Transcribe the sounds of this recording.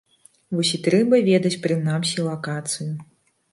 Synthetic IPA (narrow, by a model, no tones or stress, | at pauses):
vɔsʲit̪ɾɛbɐvʲɛd̪ɐt͡sʲpɾɨnamsʲilˠakat̪sɨju